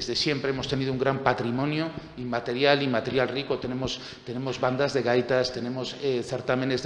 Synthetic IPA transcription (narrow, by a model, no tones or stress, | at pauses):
ezðesjempɾeemost̪eniðouŋɡɾampat̪ɾimõnjo | imat̪eɾjalimat̪e̞ɾjalrikot̪enemos | t̪enẽmozβand̪azðeɣajt̪ast̪enẽmoseθeɾt̪amẽnez